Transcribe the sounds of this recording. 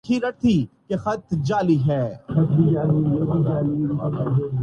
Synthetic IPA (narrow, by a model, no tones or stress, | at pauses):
kʰiɾɐt̪ʰikexɐt̪d͡ʒaːliɦɛːxɐt̪id͡ʒaːlijobid͡ʒaːliɐae